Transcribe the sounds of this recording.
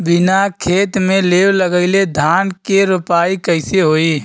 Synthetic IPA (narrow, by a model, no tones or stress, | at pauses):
bɪnakʰeːt̪mẽlewləɡəɪled̪ʱaːnkeɾʊpaːikəɪseɦoːi